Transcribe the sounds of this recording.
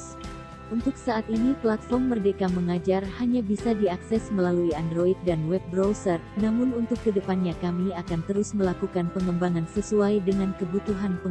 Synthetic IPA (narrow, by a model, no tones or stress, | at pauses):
ʔunt̪ʊk̚saʔːt̪iniplat̪̚fɔrmːərdekaməŋad͡ʒarhaɲabisadiaksɛsməlaluiandɾoit̪̚danwɛp̚bɾowsərnamʊnunt̪ʊkːədəpanɲakamiakant̪əɾʊsməlakukanpəŋəmbaŋansəsuajdəŋankəbut̪uɦanpə